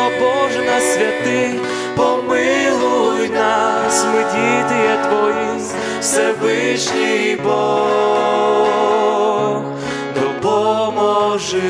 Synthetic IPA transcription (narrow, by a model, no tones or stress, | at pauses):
ɔbɔʐɨnasʲvʲat̪ɪx | pɔmɨlˠujnasmɨd̪ʲit̪ɨjɛt̪vɔji | fsʲɛvɨʂnʲibɔ | x | d̪ɔbɔmɔʐɨ